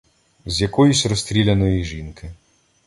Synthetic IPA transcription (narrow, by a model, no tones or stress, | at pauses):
zjɐkɔjusʲrɔst̪ʲɾʲilʲɐnɔjiʒinkɪ